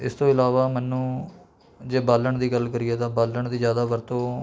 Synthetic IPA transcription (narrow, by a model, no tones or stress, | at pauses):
ɪst̪õːɪlaːʋaːmɛːnːũː | d͡ʒeːbaːləɳd̪iːɡəlkəɾiːɛːt̪ãːbaːlːəɳd̪iːzjaːd̪aːʋəɾt̪õː